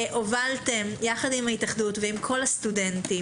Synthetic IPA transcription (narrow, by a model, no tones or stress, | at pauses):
ʔovaltemjaχadimhaitaχdutveimkʰo̞lhast̪udenti